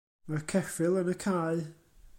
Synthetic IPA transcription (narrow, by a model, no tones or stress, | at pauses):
makʰɛfɪlˠənəkʰaɨ